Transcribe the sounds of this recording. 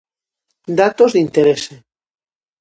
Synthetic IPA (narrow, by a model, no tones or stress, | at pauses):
d̪at̪ozðint̪eɾese